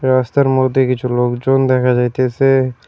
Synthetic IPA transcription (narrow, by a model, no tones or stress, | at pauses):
ɾaːst̪əɾmoːd̪ikid͡ʒoːloːɡd͡ʒoːnd̪eːkʰad͡ʒat̪ʰese